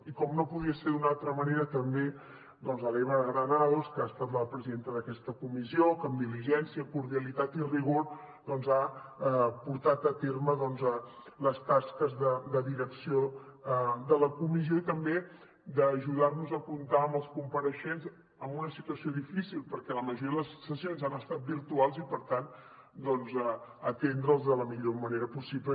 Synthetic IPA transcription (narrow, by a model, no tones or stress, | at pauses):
ikɔmnopuðiəseɾd̪unalˠt̪ɾəməneɾət̪əmbe | d̪ɔnzəlɛβəɣɾənalskəast̪at̪ləpɾəziðent̪əðəkɛst̪əkumiziokəmd̪iliʒɛnsiəkuɾðiəlit̪at̪iriɣ̞oɾ | d̪ɔnza | puɾt̪at̪ət̪eɾməðɔnzə | ləst̪askəzðəd̪əðiɾəksio | ðələkumizioit̪əmbe | d̪əːʒuðarnuzəkunt̪aəməlˠskumpəɾəʃenz | əmbunəsit̪uəsioðifisilˠpəɾkɛləməʒuɾiəðələsːəsionzanəst̪at̪̚biɾt̪ualˠzipəɾt̪an | d̪ɔnzəət̪end̪ɾəlˠzðələmiʎoməneɾəpusiplə